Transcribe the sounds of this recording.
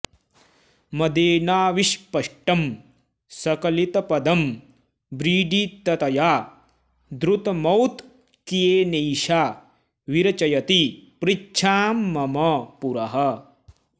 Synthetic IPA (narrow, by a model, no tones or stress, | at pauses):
mɐd̪eːnaːʋiʃpɐʂʈɐm | sɐkɐlit̪ɐpɐd̪ɐm | bɾiːɖit̪ːɐt̪ɐjaː | d̪ɾut̪mɐwt̪ | kijeːneːʃaː | ʋiɾɐt͡ʃɐjɐt̪ipɾit͡ʃʰaːmːɐmɐpuɾɐɦɐ